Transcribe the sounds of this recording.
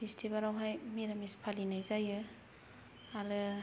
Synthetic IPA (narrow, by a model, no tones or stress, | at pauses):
pʰestʰibaɾawɦajmiɾamispʰalinajzajɯ | alɯ